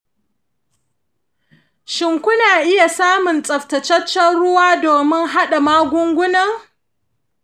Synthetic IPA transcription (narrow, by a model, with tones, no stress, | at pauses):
ʃɪ˨ŋkʷʊ˦naː˨ʔɪ˦ja˨saː˦mʊ˨nt͡sʼɐ˨ɸtɐ˨t͡ʃɐ˦t͡ʃːɐ˦ɽʊ˦waː˦doː˨mɪ˦ŋɦa˦ɗa˨maː˦ɡʷʊ˦ŋɡʷʊ˦nɐ˦ŋ